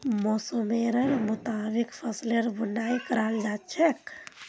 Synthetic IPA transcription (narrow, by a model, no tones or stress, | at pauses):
mosomeɾəɾmut̪abikpʰəsleɾbunajkəɾald͡ʒat͡ʃʰek